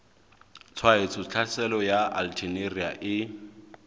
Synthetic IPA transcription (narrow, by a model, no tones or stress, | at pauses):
t͡sʰwaet͡sʰʊt͡ɬʰasɛlɔjaa̰ltʰineria̰ʔɪ